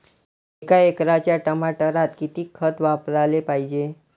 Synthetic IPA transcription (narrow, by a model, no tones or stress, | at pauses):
ekaekɾat͡ɕjaʈəmaʈəɾat̪kit̪iːkʰːət̪ʋapɾalepaɦid͡ʑe